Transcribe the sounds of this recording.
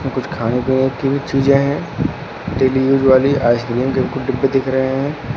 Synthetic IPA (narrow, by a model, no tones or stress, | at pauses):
mẽkʊt͡ʃʰkʰaːnekenekibit͡ʃiːd͡ʒẽɦɛ̃ | ɖeːlijuːd͡ʒʋaːliʔaːɪskɪliːmkekʊɖɪbːed̪ɪkʰɾɐɦeɦɛ̃ː